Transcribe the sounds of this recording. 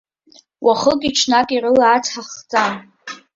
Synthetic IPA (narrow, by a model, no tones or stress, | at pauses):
wʔaχəkʲʼiʈ͡ʂʰnakʼirɨlaːt͡sʰħaχt͡sʼan